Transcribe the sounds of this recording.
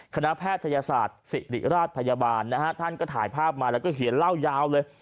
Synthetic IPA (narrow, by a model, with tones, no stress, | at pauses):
kʰa˧na˦˥ʔpʰɛː˥˩t̪ʰːa˧jaː˧saː˨˩t̪̚si˨˩ɾḭ˨˩ɾaː˥˩t̪̚pʰa˧jaː˧baː˧nːa˦˥kʰa˦˥t̪ʰa˥˩nkɔː˥˩t̪ʰaː˩˦jpʰaː˥˩p̚maː˧lɛː˦˥wkɔː˥˩ɦi˨˩˦ənla˥˩wjaː˦˥wlɤː˧j